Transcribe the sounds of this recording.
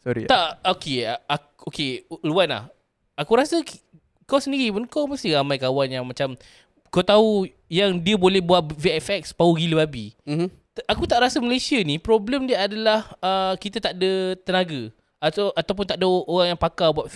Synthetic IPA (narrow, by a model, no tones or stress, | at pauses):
sɔɾḭt̪aʔokeaa | okeluanla̰h | akuɾasək | kawsəndiɾipunkawməst̪iɾamãjkawanjaŋmat͡ʃam | kot̪aɦu | jaŋdiəbolɛhbuaʔveɛfɛk̚spauɡiləbabi | ʔakut̪aʔɾasəməlesiənipɾɔbləmdiəadalahəkit̪at̪aʔdət̪ənaɡə | aʔat̪awp̬ʊnt̪aʔdəoɾaŋjaŋpakabuat̪̚